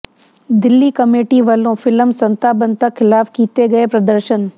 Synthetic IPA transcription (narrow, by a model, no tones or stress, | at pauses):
d̪ɪlːikɐmeːʈiʋɐːlõfɪləmsɐ̃nt̪aːbɐ̃nt̪ɐxʰɪlaːfkiːt̪eɡɐepɾɐd̪əɾʃən